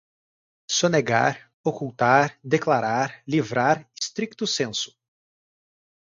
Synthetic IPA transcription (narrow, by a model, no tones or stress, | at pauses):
soneɡa̰ɾ | okuwt̪aɾd̪eklaɾaɾlivɾaɾɪst̪ɾik̚t̪ʊsẽsʊ̥